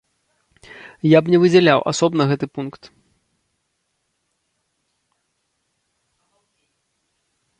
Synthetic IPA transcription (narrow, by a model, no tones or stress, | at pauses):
jabnʲɛvɨd͡zʲɛlʲawʔa̰sɔbnɐɣɛt̪ɨpunkt̪